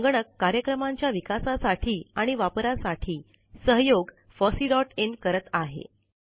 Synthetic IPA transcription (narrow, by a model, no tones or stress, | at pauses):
əŋɡɳəkːaɾjəkɾəmaɲt͡ɕjaʋikasasaʈʰiːaɽ̃iʋapɾasaʈʰiː | səɦjoɡ | fɔsiːɖɔʈenkəɾət̪aɦḛ